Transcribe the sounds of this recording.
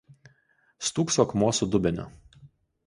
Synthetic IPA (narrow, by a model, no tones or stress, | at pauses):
st̪uːksɔːkmuɔsʊd̪ʊbʲɛnʲʊ̰